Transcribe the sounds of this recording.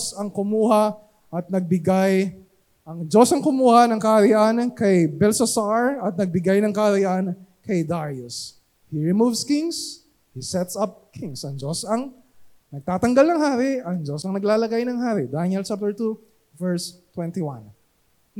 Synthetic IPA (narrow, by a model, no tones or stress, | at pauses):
sɐŋkʊmuːhɐ | ʔɐt̪̚nɐɡ̚bɪɡaj | ʔɐŋd͡ʒosɐŋkʊmuːhɐnɐŋkɐɾɪʔankɐjbɛlsɐsaɹɐt̪̚nɐɡ̚bɪɡajnɐŋkɐɾɪʔankɐjd̪aɹjʊs | hiɹɪmuvskɪŋs | hisɛt̪sɐp̚kʰɪŋsɐŋd͡ʒosɐŋ | nɐɡ̚t̪aːt̪ɐŋɡalnɐŋhaːɾɪʔɐŋd͡ʒosɐŋnɐɡlaːlɐɡajnɐŋɦaːɾɪd̪anɛlt͡ʃap̚t̪ɛɹt̪u | vɛɹst̪wɛnt̪iwa̰n